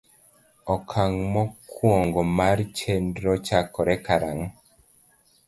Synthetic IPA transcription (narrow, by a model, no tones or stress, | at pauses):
ɔkʰaŋmɔkwoŋɡɔmaɾt͡ʃendɾɔt͡ʃakɔɾɛkaɾaŋ